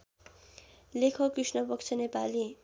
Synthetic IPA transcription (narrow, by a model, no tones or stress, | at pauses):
lekʰʌkrisnʌpʌkt͡sʰʌnepali